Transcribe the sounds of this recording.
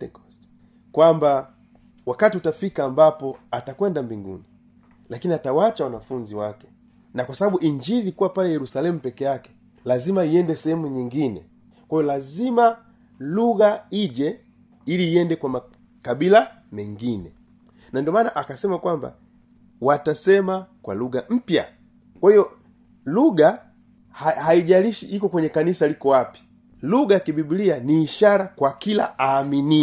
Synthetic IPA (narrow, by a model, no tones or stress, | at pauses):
kwamba | wakatiutafikaːmbapɔatakwɛndambiŋɡṵni | lakiniatawat͡ʃawanafuɲziwakɛ̥ | nakwasaɓaɓuʔiɲd͡ʒiilikuwapalɛjɛɾusalɛmupɛkɛjakɛ̥ | lazimaiɛndɛsɛhɛmuɲiŋɡinɛ̰ | kwajɔlazima | luɣaiʄɛ | iliːjɛndɛkwama | kabila | mɛŋɡinɛ | nandiɔmaːnaʔakasɛmakwamba̰ | watasɛmakwa̰luɡam̩pja̰ | kwahijɔ | luɡa | hahaiʄaliʃiʔikɔkwɛɲɛkanisalikɔwapi̥ | luɡakibibilianiːʃaɾakwakila̰ʔaːmini